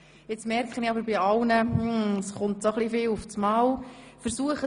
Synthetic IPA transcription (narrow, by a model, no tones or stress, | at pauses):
ɪt͡smɛrkχəniɑbəɾbiɑwnəsχʊntsoχlifɪːlufsmɑwfəɾsuəχə